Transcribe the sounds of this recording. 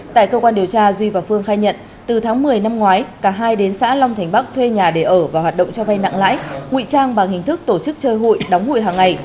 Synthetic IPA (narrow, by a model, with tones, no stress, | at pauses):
t̪a̰ː˧˨jkəː˧kwaː˧nɗi˨˩əwt͡ɕaː˧zwi˧vaː˨˩wfɨ˧əŋxaː˧jɲə̰˧˨n | t̪ɨ˨˩t̪ʰaː˨˦ŋmɨ˨˩əjna˧mŋwaː˨˦jkaː˧˩ɦaː˧jɗe˨˦nsa̰ː˧˥lɔ˧wŋ͡mt̪ʰŋ̟ɓa˦˥k̚t̪ʰwe˧ɲaː˨˩ɗe˧˩ʔəː˧˩vaː˨˩whwaː˨˩t̚ɗə̰˧˨ŋ͡mt͡ɕɔ˧va˧jna̰˧˨ŋla̰ː˧˥jŋwḭ˧˨t͡ɕaː˧ŋɓaː˨˩ŋhï˨˩ŋ̟t̪ʰɨ˦˥k̚t̪o˧˩t͡ɕɨ˦˥k̚t͡ɕəː˧jɦo̰˧˨jɗɔ˨˦wŋ͡mhṵ˧˨jɦaː˨˩ŋːa˨˩j